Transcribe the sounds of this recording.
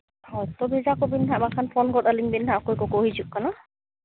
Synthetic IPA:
hɔjt̪ɔbizakobinɦabakʰanpʰɔnɡɔtaliŋbinɦakojkɔkoɦizukkːana

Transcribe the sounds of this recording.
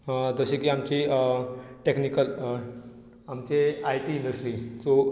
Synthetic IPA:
d͡zəɕekiːamt͡ɕi | ʈeknikəl | amt͡ɕeaiʈiːɳɖəsʈɾiːt͡so

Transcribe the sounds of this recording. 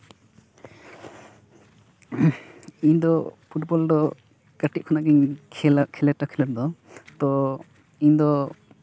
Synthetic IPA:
iɲd̪ɔpʰuʈbɔlɖɔ | kaʈiʔ̚kʰɔnaɡɛɲkʰɛlaʔkʰɛlɛʈakʰɛlaɾd̪ɔt̪ɔ | iɲd̪ɔ

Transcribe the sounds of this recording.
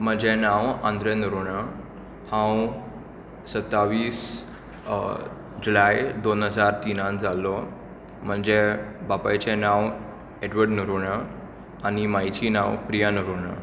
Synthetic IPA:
m̤əd͡ʑenãwãnd̪ɾənuɾuɽ̃ə | hãw | sət̪ːaʋiːs | d͡ʑulajd̪onɦəd͡zaɾt̪inãnd͡zʱalɔ | m̤əɳd͡zebapajt͡ɕenãw | eɖʋəɖnuɾuɳə | animajt͡ɕiːnãwpɾijanuɾuɳə̰

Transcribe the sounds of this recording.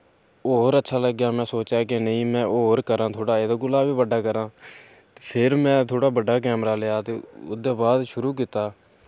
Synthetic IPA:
oːɾətːʃʰaːləɡjaːmɛ̃ːsoːt͡ʃjaːkenəĩːmɛ̃ːʔoːɾkəɾãːt̪ʰoːɽaːeːd̪aːɡʊlaːʋiːbəɖːaːkəɾãː | t̪e̥ːpʰɪɾmɛ̃ːt̪ʰoːɽaːbəɖaːk̬ɛːmɾaːljaːt̪eːʊ̰d̪eːbaːd̪ʃʊɾuːk̬iːt̪aː

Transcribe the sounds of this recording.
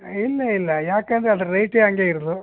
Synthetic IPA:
ilːɐilːɐjaːkend̪ɾeɐd̪ɐɾɾɐjʈeɐŋɡeiɾud̪u

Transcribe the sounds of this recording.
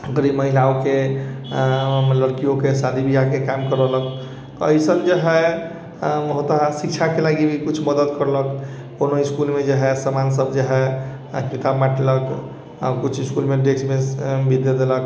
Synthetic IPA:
ɡəɾiməɦilaoke | ləɾkijokesad̪ibʱiakekamkəɾələk | t̪ɔəjsənd͡ʒəɦɛ | ɦot̪aɦɛsik̚t͡ʃʰakelaɡibʱikut͡ʃʰməd̪əd̪kəɾlək | konoiskulmed͡ʒəɦɛsəmansəbd͡ʒəɦɛ | kɾit̪abmaʈʰlək | a̰kut͡ʃʰiskulmeɖesmebʱid̪ed̪elək

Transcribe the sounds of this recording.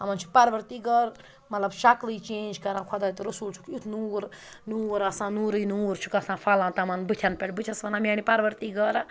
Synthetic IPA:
ɐmɐnt͡ʃʰu̥pɐɾʋəɾt̪iːɡəɾ | mɐt̪lɐbʃɐklit͡ʃẽːnd͡ʒkɐɾãːkʰɔd̪aːt̪uɾɐsult͡ʃʰu̥kut̪ʰnuːɾ | nuːɾɐsãːnuːɾɨjnuːɾt͡ʃʰu̥kɐsãːfʰalãːt̪ɐmɐnbɨt̪ʰɐnpʲeʈbɨt͡ʃʲʰɐsʋɐnaːmʲaːnipɐɾʋəɾt̪iːɡəɾa

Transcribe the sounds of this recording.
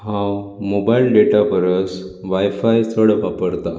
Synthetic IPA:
hãwmobailɖeʈabəɾəsʋajfajt͡səɽʋapəɾt̪a

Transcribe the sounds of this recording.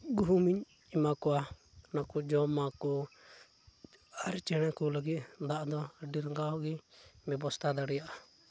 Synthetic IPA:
ɡuɦumiɲ | imakɔa | nakɔd͡ʒɔmakɔ | aɾt͡ʃɛɽ̃ɛkɔləɡit̪̚d̪aʔd̪ɔɖiɾŋɡaɦɔɡibɛbɔst̪ad̪aɽɛjaʔa

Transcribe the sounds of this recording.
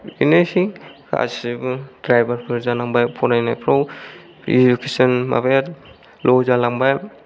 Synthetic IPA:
ḭnɯjsika̰sibɯdɾajbaɾpʰɯɾzanaŋbajpʰɔnajnajpʰɾow | id͡ʒukʰesɔnma̰bajat | lɔzalaŋbaj

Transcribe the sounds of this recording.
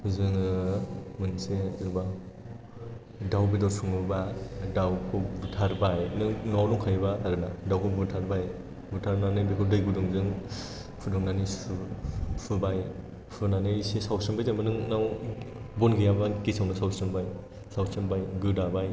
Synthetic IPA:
zɯŋ | mɯnsezɯba | dawbidɔsʰuŋɯbadawkʰɯbutʰaɾbajnɯŋnawlɔŋkʰajbaːɾɯnadawkʰɯbɯtʰaɾbaj | bɯtʰaɾnanɯjbekʰɯdɯjɡudɯŋzɯŋ | pʰɯdɔŋnanijsɯpʰɯbaj | pʰɯnanɯjsesawsɯmbajzamɯnɯŋnaw | bɔnɡijabakisawnɯsawsɯmbaj | sawsɯmbajɡɯdabaj

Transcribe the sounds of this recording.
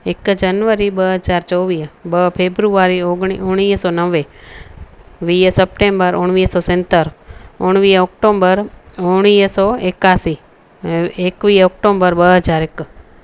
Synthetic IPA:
ɪkd͡ʒənʋəɾibəɦəd͡ʒaːɾt͡ʃɔːʋiːbəpʰeːbɾuaːɾioɡiʊɽ̃iːsɔːnəʋe | ʋiːsəp̚ʈẽmbəɾʊɳ̃ʋiːsɔːsɛ̃nt̪əɾʊɳ̃ʋiːɔkʈoːmbəɾʊɽ̃iːsɔekaːsi | ekʋiːɔːk̚ʈõːmbəɾbəɦəd͡ʒaːɾek

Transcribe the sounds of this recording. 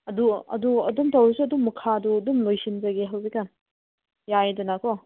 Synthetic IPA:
ɐduɐ̰duɐ̰dumtʰawɾisuɐdumːɐkʰaɐduɐdumlojsinzɐɡeɦawzikːan | jajdɐnakɔ

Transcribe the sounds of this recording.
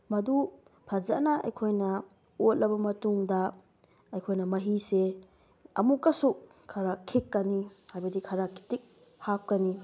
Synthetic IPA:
mɐdu | pʰɐza̰nɐɐ̰jkʰojnɐ | ot̚lɐbɐmɐtuŋdɐ | ɐjkʰojnɐmɐɦise | ɐ̰mukːɐsu | kʰɐɾakʰikːɐnihajbɐdikʰɐɾakʰi̥tik̚ | hap̚kɐni

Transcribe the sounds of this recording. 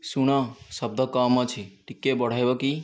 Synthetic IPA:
suɽ̃asəb̚d̪əkamːət͡ʃʰiʈikːebəɽ̤ajbəki

